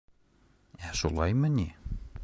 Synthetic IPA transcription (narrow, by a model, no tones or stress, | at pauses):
æʃulˠɑjmɘ̆nʲi